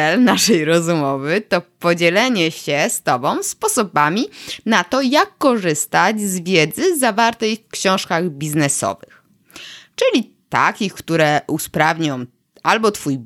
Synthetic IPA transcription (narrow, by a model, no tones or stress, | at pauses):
ɛlnaʂɛjɾɔzumɔvɘt̪ɔpɔd͡ʑɛlɛɲɛɕɛst̪ɔbɔ̃w̃spɔsɔbamʲinat̪ɔjakːɔʐɘst̪ad͡ʑzvʲjɛd̪zɘzavaɾt̪ɛjfkɕɔ̃w̃ʂkaɣbʲiznɛsɔ̰vɘx | t͡ʂɘlʲi | t̪a̰kʲixkt̪uɾɛʔuspɾavɲɔw̃ | albɔt̪fuj